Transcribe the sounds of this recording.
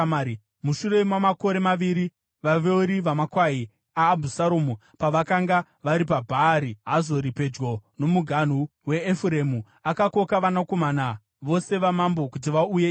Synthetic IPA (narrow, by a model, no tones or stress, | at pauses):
i | muʃure̞mwamako̞ɾe̞maʋiɾi | ʋaʋeuɾiʋamakwai | aːbʱusaɾoːmu | paʋakaŋɡa | ʋaɾip̬abʱaːɾiɦazo̞ɾipe̞d͡ʒɡo̞no̞muɡʱan̤uwe̞ːfuɾemu | akako̞kaʋanako̞mana | ʋo̞se̞ʋamambo̞kut̬iʋauje